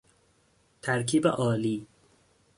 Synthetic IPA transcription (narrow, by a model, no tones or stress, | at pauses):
t̪ʰæɾkʰiːbḛʔɒːliː